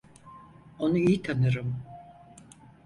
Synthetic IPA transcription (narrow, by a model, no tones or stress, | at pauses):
o̞nuijt̪ʰanɯɾɯm